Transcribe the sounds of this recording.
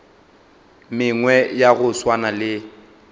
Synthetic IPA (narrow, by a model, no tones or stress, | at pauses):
mɪŋwɛjaɣʊswanalɪ